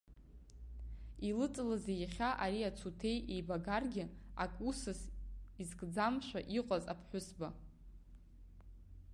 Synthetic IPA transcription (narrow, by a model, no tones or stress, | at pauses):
ilɨt͡sʼlazejaχʲaʔaɾiat͡sʰutʰe̞jʔejbaɡarɡʲɪa̰kʼusɨsizɡʼd͡zamʃʷᶣa̰ʔiqʷʼaza̰pʰħʷᶣʊsba